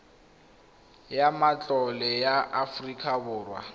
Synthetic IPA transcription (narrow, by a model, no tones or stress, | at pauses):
jamat͡ɬʼɔlɛjaʔafrikʰʼabʊːrwa̰